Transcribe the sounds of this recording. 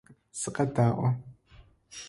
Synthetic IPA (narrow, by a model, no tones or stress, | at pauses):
sɨqɐdaːʔʷɐ